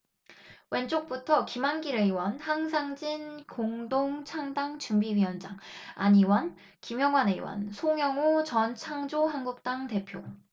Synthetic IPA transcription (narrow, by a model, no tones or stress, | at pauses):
we̞nt͡ɕ͈ʰok̚p͈utʰʌkimanɡiɾɯiwʌnhaŋs̬ʰaŋd͡ʑinkoŋdoŋt͡ɕʰaŋdaŋt͡ɕumbiɥiʌnd͡ʑaŋa̰ɲiwʌn | kimjʌŋwaneḭwʌ̰nsʰoŋjʌŋot͡ɕʌnt͡ɕʰaŋd͡ʑoɦanɡuk̚t͈aŋte̞pʰjo